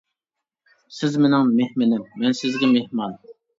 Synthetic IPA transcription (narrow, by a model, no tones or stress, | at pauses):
sɪzmenɪŋmehmɪnɪmːɛnsɪzɡʲɛmehmɑn